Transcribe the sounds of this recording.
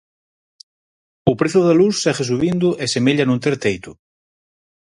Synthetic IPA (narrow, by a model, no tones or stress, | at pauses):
ʊpɾeθʊðalusːɛɣesuβind̪ʊʔesemeʎanũnt̪eɾt̪ejt̪ʊ